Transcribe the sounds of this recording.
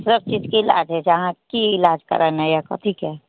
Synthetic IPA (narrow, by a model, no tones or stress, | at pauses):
sɾəb̚t͡ʃiːd͡ʒkiɪla̰ːd͡ʒɦɛd͡ʒɐɦãkiɪlaːd͡ʒkɐ̰ɾənɛ̃jaka̰t̪ʰiːkɛ